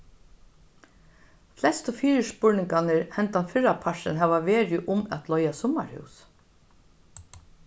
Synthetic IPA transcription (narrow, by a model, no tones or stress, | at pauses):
flɛst̪ɔfiːɹɪspʊɹnɪŋkanɪɹhɛnt̪anfɪɹapʰaʂɪ̰nɦɛːʋaʋeːɹɪʔʊmæ̰t̪lɔjasɔma̰ɹhʉ̰ws